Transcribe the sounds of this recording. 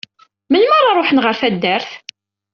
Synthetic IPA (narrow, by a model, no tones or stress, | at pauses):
mənməɾˤɑɾˤoħnʁəɾθæd̪ːæɾθ